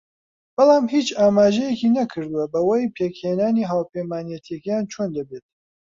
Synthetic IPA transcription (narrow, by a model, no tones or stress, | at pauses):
b̥ɨlˠaːmɦiːt͡ʃaːmaːʒɛjekiːnɐkʰɨɾd̪uwɐbɐwɐjpʰeːkheːnaːniːɦaːwpejmaːnijɛt̪ʰijɛkjaːnt͡ʃʰoːnd̪ɐbet̪̚